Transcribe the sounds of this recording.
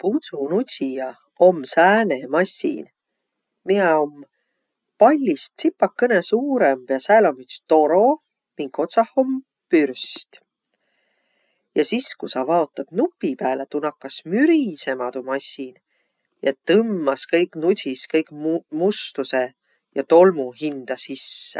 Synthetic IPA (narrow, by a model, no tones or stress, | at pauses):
pusunusijɑ | o̞msæːnemɑsʲḭn | mieo̞m | pɑlʲːist̪sipːɑkːɤnesuːɾemb̥jɑsælomyt̪st̪o̞ɾo̞ | miŋko̞t̪sɑho̞m | pyrst̪ | jɑsiskusɑvɑo̞t̪ːˑɑd̪̥nupːipæːlet̪unɑkːˑɑsmyɾise̞mɑd̪̥umɑsʲːin | jɑt̪ɤmːɑskɤjkˑnusiskɤjkmust̪use̞ | jɑ̰t̪o̞lmuɦind̪̥ɑsisːḛ